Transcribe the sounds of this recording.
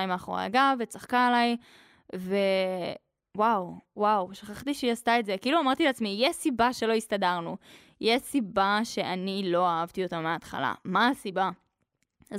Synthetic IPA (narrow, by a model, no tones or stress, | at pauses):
ajmaːχoʁa̰a̰ɡavet͡saχkaelaj | ve̞ | wawwawʃaχaχt̪iʃejast̪aetze̞keiluamaʁt̪ileat͡smijɛsibaʃe̞lo̞ist̪adaʁnu | jesibaʃe̞ʔanilo̞aavt̪iotameaːtχa̰la̰maːsiba | a